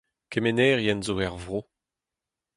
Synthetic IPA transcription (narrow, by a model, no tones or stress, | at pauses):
kemenɛːʁjɛnzoɛʁvʁo